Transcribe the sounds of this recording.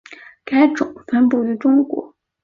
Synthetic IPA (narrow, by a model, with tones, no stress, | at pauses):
ka˥ɪʈ͡ʂʊ̰˨˩˦ŋfa˥npu˥˩y˧˥ʈ͡ʂʊ˥ŋkwɔ̰˧˥˦